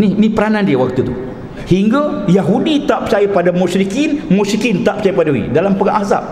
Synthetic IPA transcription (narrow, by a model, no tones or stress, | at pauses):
nihnĩpəɾanandiəwak̚t̪ut̪u | hiŋɡajaɦudit̪aʔpət͡ʃajəpadamusɾikinmusikint̪aʔpət͡ʃajəpadaḭdalampəɡaŋʔaza̰p̚